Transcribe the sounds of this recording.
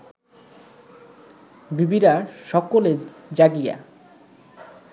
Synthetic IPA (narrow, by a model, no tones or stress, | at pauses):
bibiɾaʃɔkoled͡ʑaɡija̰